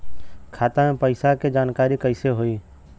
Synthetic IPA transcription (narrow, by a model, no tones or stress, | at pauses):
kʰaːt̪ãẽpəɪsaked͡ʒaːnkaːɾikəɪseɦoːiː